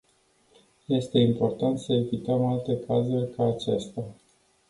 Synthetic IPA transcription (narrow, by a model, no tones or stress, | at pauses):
je̞st̪e̞impo̞rt̪ant̪səevit̪əmalt̪e̞kazurʲkaːt͡ʃest̪ea